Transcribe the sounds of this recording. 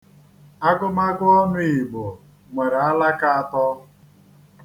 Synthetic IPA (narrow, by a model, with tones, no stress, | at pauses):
a˦kʊ˦ma˦ɡʊ˦ɔ˦nʊ˦i˨ɡ͡bʊ˨ | ŋʷe˨ɾa˦la˦ka˦˨a˨tɔ˦